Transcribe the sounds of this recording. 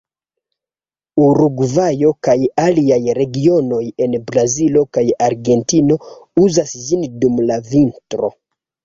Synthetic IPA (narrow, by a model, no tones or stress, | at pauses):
uɾuɡvajo̞kajaliajɾe̞ɡio̞no̞je̞nbɾazilo̞kajaɾɡe̞ntino̞uzasd͡ʒindumlavintɾo̞̰